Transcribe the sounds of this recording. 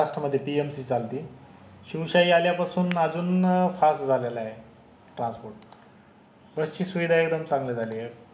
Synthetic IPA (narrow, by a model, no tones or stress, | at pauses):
aʂʈɾəməd̪ʱːjepiemsiːt͡salt̪iː | ɕiwɕaiːaljapasuːnad͡zuːnfasʈd͡zʱalelae | ʈɾãnspoɾʈ̚ | bəst͡ɕiːsuʋid̪ʱaekd̪əmt͡sãŋɡled͡z̪aliːe